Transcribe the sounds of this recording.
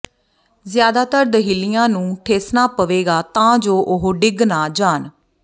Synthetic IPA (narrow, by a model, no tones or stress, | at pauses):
zjaːd̪aːt̪əɾd̪əɦilijãːnũːʈʰeːsnaːpəʋeːɡaːt̪ãːd͡ʒoːʔʊɦoɖɪɡnaːd͡ʒaːn